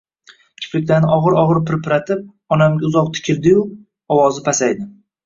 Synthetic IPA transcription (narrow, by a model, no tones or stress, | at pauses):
kʲʰɪ̥pɾɪkʲlaɾnɪʔɒʁɨɾɒʁɨɾpɪɾpʰɪɾat̪ʰɪp̚ | ɒnamɡʲaʊzɒq̚t̪ʰɪ̥kʲʰɪɾd̪ɪjʊ | ɒwɒzɪpʰasajd̪ɪ